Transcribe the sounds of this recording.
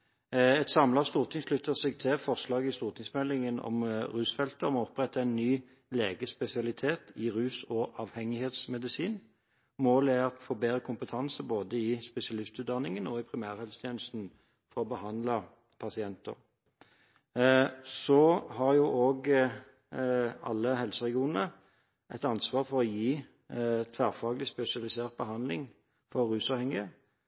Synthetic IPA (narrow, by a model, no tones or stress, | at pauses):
ɛt̪sɑmlɑst̪uːʁt̪ʰɪŋslʏt̪ːəʁsɛɡ̚t̪ʰɪfɔʁslɑːɡɪst̪uːʁt̪ʰɪŋsmɛlɪŋənɔ̰mʁʉːsfɛlt̪əɔmɔɔpːʁɛt̪ːəɛnːyː | leːɡəspɛsɪɑlɪt̪ʰeːt̪ɪʁʉːsɔʔɑːʋhɛŋɪheːt̪smɛd̪ɪsiːn | moːlæɑt̪foːbeːʁəkʰʊmpət̪ʰɑnsəboːd̪əɪspɛsɪɑlɪst̪ʉːt̪̚d̪ɑnɪŋənɔɪpʰʁɪmæːʁhɛlst̪ʰjeːnəst̪n̩ | fɔɾɔbəhɑnlɑ | pʰɑsɪɛnt̪ə̰ʁ | sɔhɑʁjuːʔoːɡ | ɑ̰lːəhɛlsəʁɛɡɪuːnənə | ɛt̪ɑnsʋɑːʁfɔɾɔjiː | t̪ʰʋæʁfɑːɡlɪspɛsɪɑlɪseːʁt̪̚bəhɑnd̪lɪŋ | fɔːʉːsɑːʋhɛŋɪə